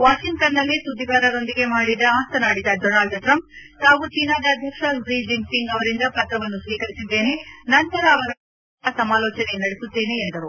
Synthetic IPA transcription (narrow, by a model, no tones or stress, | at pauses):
ʋaːʃiŋkt̪ɐnːɐlːisud̪iɡaːɾɐɾo̞nd̪iɡe̞maːɽid̪ɐaːst̪ʰɐnaːɽid̪ɐɖoːnaːlɖʈɾɐmp̚ | haːɡut͡ʃiːnaːd̪ɐːd̪ʱjɐkʂɐɾiːd͡ʒiŋpiŋɡɐʋɐɾind̪ɐpɐt̪ɾɐʋɐnːusʋiːkɐɾisid̪ːe̞ːne̞nɐnt̪ɐɾɐːʋɐɾ | ɐsɐmaːlɔːt͡ʃɐnenɐɽesut̪ːe̞ːneːnd̪ɐɾu